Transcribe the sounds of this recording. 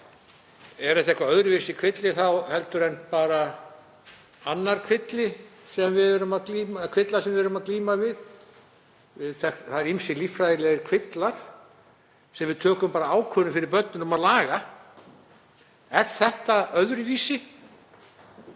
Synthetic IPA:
ɛɾɛht̪ɛhkvaœðɾʏvɪsɪkʰvɪt̪lɪθawhɛl̪t̪ʏɾɛnpaːɾa | anːaɾ̥kʰvɪt̪lɪ | sɛmvɪðɛɾʏmaðkliːmakʰvɪt̪laɾ̥sɛmvɪðɛɾʏmaðkliːmavɪð | vɪðθɛθaɾimsɪlifɾajðɪlɛɣɪɾkʰvɪt̪laɾ̥ | sɛmvɪðt̪ʰœːkʏmpaːɾaaːwkʰvœnʏfɪɾɪɾpœt̪nɪnumaðlaːɣa | ɛɾ̥θɛht̪aœðɾʏviːsɪ

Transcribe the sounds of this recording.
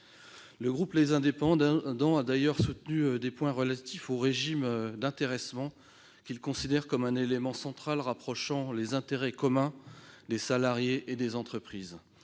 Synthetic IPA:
ləɡʁuplezɛ̃d̪epɑ̃d̪d̪ɑ̃ad̪ajœʁsut̪nyød̪epwɛ̃ʁəlat̪ifoʁeʒimd̪ɛ̃t̪eʁɛsmɑ̃ | kʲilkɔ̃sid̪ɛʁkɔmɛ̃nelemɑ̃sɑ̃t̪χalʁapχɔʃɑ̃lezɛ̃t̪eʁɛkɔmɛ̃d̪esalaʁjeʔed̪ezɑ̃t̪χəpχiːz

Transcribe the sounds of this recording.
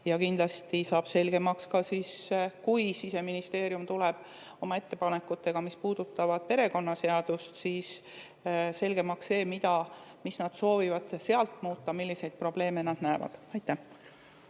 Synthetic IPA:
jɑkind̪lɑst̪isɑːb̥se̞lɡ̥e̞mɑkskɑsiːskujsise̞minist̪e̞ːɾjumt̪uleb̥ | o̞mɑe̞t̪ːe̞pɑne̞kːˑut̪ːe̞ɡ̥ɑmispuːd̪̥ut̪ːˑɑvɑd̪̥̚pe̞ɾe̞ko̞nːɑse̞ɑd̪̥ust̪siːs | se̞lʲɡ̥e̞mɑksːe̞ːmid̪ɑmisnɑd̪̥so̞ːvivɑd̪̥se̞ɑlt̪ˑmuːt̪ːɑmilːise̞jd̪̥̚pro̞ble̞ːme̞nɑd̪̥næevɑ̰d̪̥ɑjt̪ːˑæh

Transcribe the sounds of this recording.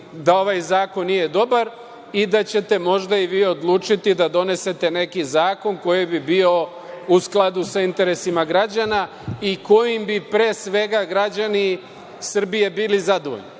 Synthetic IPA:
d̪ao̞ʋajzaːko̞nːije̞d̪o̞baɾ | id̪at͡ɕe̞t̪e̞mo̞ʒd̪aiʋiːo̞d̪lˠuːt͡ʃit̪id̪ad̪o̞ne̞se̞t̪e̞ne̞kizaːko̞nko̞jibibio̞ | usklˠad̪usaint̪e̞ɾe̞simaɡɾad͡ʑana | iko̞jimbipɾe̞ːsʋe̞ɡaɡɾad͡ʑani | sr̩bije̞biːlizad̪oʋo̰ʎni

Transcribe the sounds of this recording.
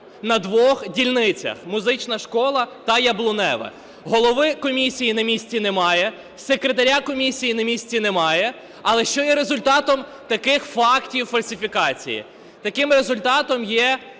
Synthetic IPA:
nɐd̪ʋɔxdʲilʲnɪt͡sʲɐ̰xmʊzɪt͡ʃnɐʃkɔlˠɐt̪ɐjɐblˠʊnɛ̰ʋɛ̰ | ɦɔlˠɔʋɪkɔmʲisʲijinɐmʲisʲt͡sʲinɛmɑjɛ | sekɾet̪ɐɾʲakɔmʲisʲijinɐmʲisʲt͡sʲinɛmɑjɛ | ɐlˠɛʃt͡ʃɔjɛɾezʊlʲt̪ɑt̪ɔm | t̪ɐkɪxfɑktʲiwfɐlʲsʲifʲikɑt͡sʲḭjḭ | t̪ɐkɪmre̞zʊlʲt̪ɑt̪ɔmjɛ

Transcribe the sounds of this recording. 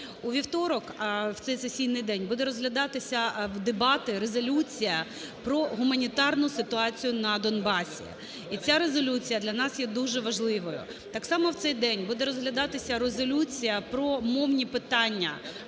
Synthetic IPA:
uʋʲiwt̪ɔɾɔkwt̪sɛjsesʲijnɪjd̪ɛnʲbud̪ɛɾɔzɦlʲɐd̪ɑt̪ɪsʲɐwd̪ebɑt̪ɪɾezɔlʲut͡sʲijɐ | pɾɔɦʊmɐnʲit̪ɑrnʊsɪt̪ʊɑt͡sʲijʊnɐd̪ɔnbɑsʲḭ | it͡sʲaɾezɔlʲut͡sʲijɐd̪lʲɐnɑsjɛd̪uʒɛʋɐʒlˠɪʋɔjʊ̰ | t̪ɑksɑmɔwt̪sɛjd̪ɛnʲbud̪ɛɾɔzɦlʲɐd̪ɑt̪ɪsʲɐɾezɔlʲut͡sʲijɐpɾɔmɔwnʲipɪt̪ɑnʲːɐ̰

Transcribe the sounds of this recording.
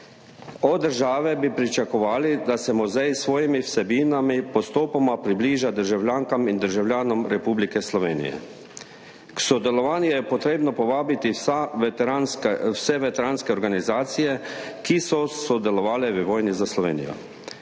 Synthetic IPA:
ɔd̪əɾʒaːʋɛbipɾit͡ʃakɔʋaːlid̪asɛmɔzɛjsʋɔːjimiwsɛbiːnamipɔst̪oːpɔmapɾibliːʒad̪əɾʒawlʲjaːŋkamind̪əɾʒawlʲjaːnɔmɾɛpuːblikɛslɔʋḛːnḭjɛ̰ | ksɔd̪ɛlɔʋaːnjujɛpɔt̪ɾeːbnɔpɔʋaːbit̪i | nwsɛʋɛt̪ɛɾaːnskɛɔɾɡanizaːt̪sijɛkisɔsɔd̪ɛlɔʋaːlɛʋəʋɔːjnizaslɔʋḛːnḭjɔ̰

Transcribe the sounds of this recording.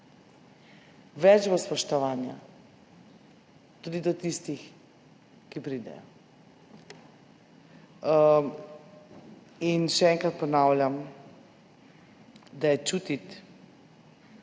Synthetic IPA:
ʋɛd͡ʒbɔspɔʃt̪ɔʋaːnja̰ | t̪uːd̪id̪ɔt̪ist̪ix | kipɾiːd̪ɛ̰jɔ | inʃɛɛŋkɾat̪pɔnaːwlʲjam | d̪ajɛt͡ʃut̪it̪

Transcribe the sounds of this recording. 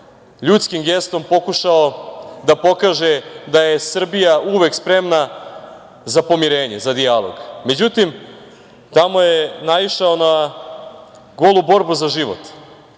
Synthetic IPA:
ʎut̪skimɡest̪o̞mpo̞kuʃao̞d̪apo̞kaːʒed̪ajesr̩bijauʋe̞kspɾe̞mna | zapo̞miɾeːɲezad̪ialˠo̰ɡme̞d͡ʑut̪im | t̪amo̞jenaʋiʃaona | ɡolˠubo̞ɾbuzaʒiʋo̰t̪

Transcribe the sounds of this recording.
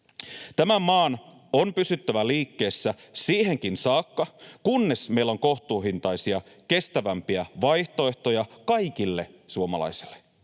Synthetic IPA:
t̪æmæmɑːn | onpysyt̪ːæʋæliːkːe̞ːsːæ | siːɦe̞ŋk̟insɑːkːɑkunːe̞sme̞jlːoŋko̞ht̪uːɦint̪ɑjsiɑke̞st̪æʋæmpiæʋɑjht̪o̞e̞ht̪o̞jɑkɑjkilːe̞suomɑ̰lɑ̰jselːe

